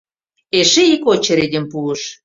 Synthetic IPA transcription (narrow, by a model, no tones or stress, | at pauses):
eʃeikot͡ɕə̆ɾedʲĕmpuə̆ʃ